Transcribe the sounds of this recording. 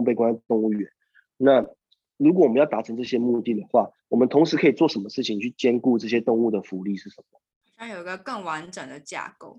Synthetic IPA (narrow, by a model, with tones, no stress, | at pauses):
pe˥ɪkwa˥n˥˧˩t̪ʊ˥˧ŋu˥˩ɥɛ˨˦n | na˥˨ | ɻu˧˥k̬wwmə˦jɑ˥˩ʊt̪a˨˩ʈ͡ʂʰə˧˥ŋʈ͡ʂɤ˥˩ɕjɛ˦mu˥˧t̪i˥˩d̪ə˩xwa˥˩ | wɔ˨˩mə˨nt̪ʰʊ˧˥ŋʂɻ̩˧˥kʰɤ˧˥i˨˩t͡swɔ˥˩ʂə˧˥nmə˧˦ʂɻ̩˥˩t͡ɕʰi˨ŋt͡ɕʰy˥˩t͡ɕjɛ˥nku˥˧ʈ͡ʂɤ˥˩ɕ̬jɛ˦˥t̪ʊ˥˧ŋu˥˩d̪ə˩fu˨˥li˥˧ʂɻ̩˥˩ʂə˨˩˦mə˩ | a˥jo˨˩i˧˥ɡə˧kə˥˩ŋwa˧˦nʈ͡ʂə˨˩ŋd̪ə˩t͡ɕja̰˥˧ko˥˩ʊ